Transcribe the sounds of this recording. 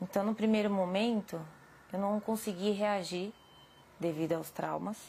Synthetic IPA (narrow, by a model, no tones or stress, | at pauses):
ẽnt̪ɐ̃w̃nʊpɾimejɾʊmomẽnt̪ʊ | ewnɐ̃w̃w̃kõsɪɡiɦeaʒiɾ | d̪evid̪ʊawst̪ɾa̰wmɐs